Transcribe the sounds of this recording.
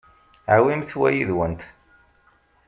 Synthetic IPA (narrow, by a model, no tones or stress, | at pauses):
ʕawimθwæ̰jiðwənt̪